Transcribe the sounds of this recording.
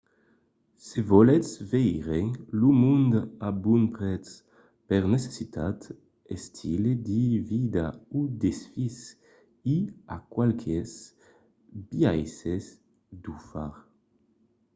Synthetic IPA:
sevɔlesvejʁeŋlumund̪abunpɾɛt͡s | peʁnese̥sit̪at̪ | est̪ʰiled̪ivid̪aud̪esfis | ia̰kwalkʰes | biajses | d̪ufaɾ

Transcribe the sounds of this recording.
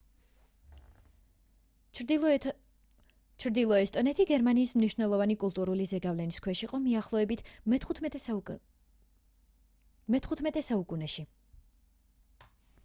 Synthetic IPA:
t͡ʃʰɾd̪ilˠɔɛst̪ʼɔnɛt̪ʰiɡɛɾmaniːsmniʃvnɛlˠɔvanikʼulˠt̪ʼuɾulizɛɡavlɛniskʰwɛʃiqʼɔmiaχlˠɔɛbit̪ʰ | mɛt̪ʰχut̪ʰmɛt̪ʼɛsaukʼunɛʃi

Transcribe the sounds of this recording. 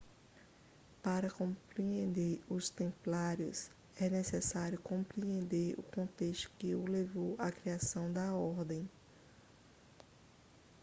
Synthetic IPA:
paɾɐkõpɾiẽnd̪eɾʊst̪ẽmplaɾjʊ̰s | ɛnesesaɾjʊkõpɾiẽnd̪eɾʊ̰kõnt̪est̪ʊ̥kɪʊlevowʔakɾiasɐ̃w̃d̪ɐɔɾd̪ẽj̃

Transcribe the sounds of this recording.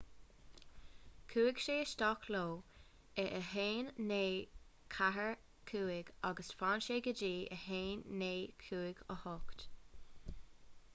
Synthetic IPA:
kʰuːɪɡ̥ʃeːəst̪ɔkʰloː | ɛʔəɦeːnːeːkʰaɦəɹ | kʰuːɪɡaɡəsfaːnʃeːɡəd͡ʒiːʔə̰heːnːeːkʰuːɪɡəhɔkt̪

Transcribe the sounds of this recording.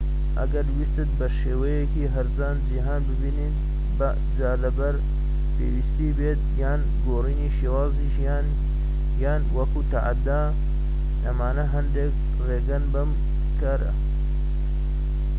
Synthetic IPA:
ʔɐ̰ɡɐɾwist̪ɨt̪̚bɐʃeːwɐjekiːɦɐɾzaːnd͡ʒiɦaːnbɨbiːnit̪ | bɐ | d͡ʒaːlɐbɐɾ | pḛːwist̪iːbeːt̪̚jaːn | ɡoːriːniːʃeːwaːziʃjaːn | jaːnwɐkuːt̪aʔa̰d̪aː | nɐmaːnɐɦɐnd̪eːk | reːɡɐnbɐm | kaɾɐ̰

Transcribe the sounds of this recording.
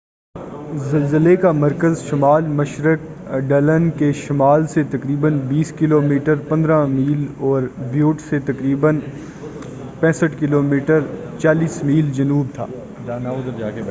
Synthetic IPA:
zɐlzəlekamɐɾkəzʃɐmaːlmɐʃɾək̚ɖɐlənkeʃɐmaːlset̪ɐkɾiːbənbiːskɪloːmiːʈəɾpɐ̃nd̪ɾãmiːlɔːɾbjuːʈset̪ɐkɾiːbən | pɛ̃ːsəʈkɪloːmiːʈəɾ | t͡ʃaːliːsmiːld͡ʒɐnuːb̚t̪ʰa̰ː | naʊd̪ɾa

